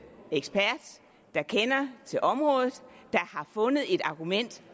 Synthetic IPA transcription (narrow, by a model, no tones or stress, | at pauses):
eɡ̥sb̥æɐ̰d̥ | d̥ɑ̈kʰenɐt͡sʰe̝lʔɒ̽mʁɔ̽ːð̩ˠd̥ɑ̈hɑ̈fɔ̽nəð̞̩ˠe̝d̥ɑ̈ɡ̥umen̰d̥